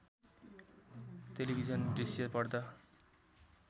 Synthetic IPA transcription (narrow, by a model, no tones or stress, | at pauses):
t̪elibʱid͡zʌnɖisjʌpʌrd̪ʌ